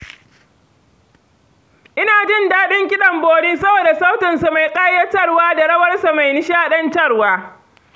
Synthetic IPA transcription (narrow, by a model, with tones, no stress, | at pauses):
ʔɪ˦naː˨d͡ʒɪ˦ndaː˦ɗɪ˦ŋkʲɪ˦ɗɐ˨mboː˦ɽiː˦sɐ˦boː˨da˨sa˦wtɪ˨nsu˨ma˨jkʼa˦jɐ˦tɐ˦rwaː˦da˨ɽɐ˦wɐ˦rsa˨ma˨jnɪ˦ʃaː˦ɗɐ˦ntɐ˦rwaː˦